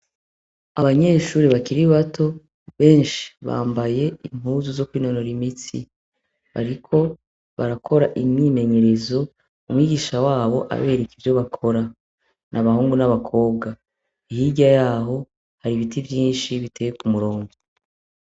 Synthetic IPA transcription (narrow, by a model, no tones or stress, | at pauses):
aβaɲe̞ʃuːɾiβakiɾiβatʰo̞ | βe̞ːnʃi̥βa̰ːmbaje̞im̥huːzuzo̞kwiːno̞no̞ɾimitḭ | βa̰ɾikʰo̞ | βaɾakʰo̞ɾaʔimɲiːme̞ɲe̞ɾezo̞ | umwiːɡiːʃawaːβo̞ʔa̰βe̞ːɾekivjo̞βakʰo̞ɾa | nʔaβahuːŋɡunaβakʰo̞ːbɡa | ihiɟajaːɦo̞ | haɾiβitivjiːnʃiβitʰe̞jekumuɾo̞ːŋɡo